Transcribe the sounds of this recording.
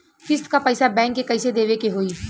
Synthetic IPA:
fɪst̪kapəɪsabɛ̃ːŋkːekɐɪsed̪eːʋekeɦoːiː

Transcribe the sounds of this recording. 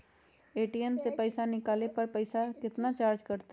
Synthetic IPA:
eːʈiɛmsepəɪsanɪkaːlepɐɾpəɪsakɪt̪nat͡ʃaːɾd͡ʒkɐɾt̪

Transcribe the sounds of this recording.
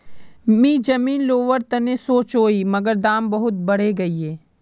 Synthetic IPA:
miːd͡ʒɐmiːnloːʋəɾt̪ɐnesoːt͡ʃoːimɐɡəɾd̪aːmbɐɦʊt̪̚bɐɽ̤eɡɐieː

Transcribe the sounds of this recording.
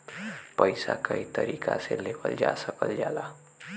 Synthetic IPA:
pəjsakəit̪əɾikʰaselepəld͡ʒasəkəld͡ʒala

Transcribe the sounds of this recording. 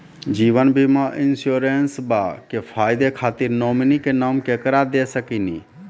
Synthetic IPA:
d͡ʒiːʋənbʱimaʔɪnsjoːɾensbakepʰaːɪd̪ekʰaːt̪iɾnoːminikenaːmkekəɾad̪esəkini

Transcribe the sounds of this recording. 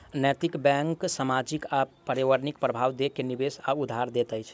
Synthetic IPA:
nɛt̪ikbɛ̃ŋksamad͡ʒikapəɾiʋəɾnik̚pɾəbʱaʋd̪ekenibesaud̪ʱːaɾd̪et̪əjt͡ʃʰ

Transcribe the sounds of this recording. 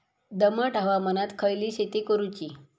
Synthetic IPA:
d̪əməʈəʋamənat̪kʰəjliːɕet̪ekəɾut͡ɕi

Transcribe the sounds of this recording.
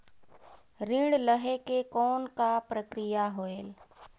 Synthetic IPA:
ɾĩːɽləɦekekɔːnkapɾəkɾijaɦoeːl

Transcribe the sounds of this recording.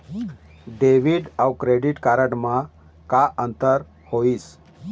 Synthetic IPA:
ɖeʋiɖawkɾeɖiʈkaːɾəʈmã | kaʔə̃nt̪əɾ | hois

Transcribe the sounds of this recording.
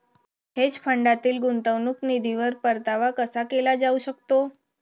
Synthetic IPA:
ɦed͡ʒpʰəɳɖat̪iːlɡunt̪əʋnuknid̪ʱiʋəɾpəɾt̪aʋakəsakelad͡ʒauʃəkt̪o

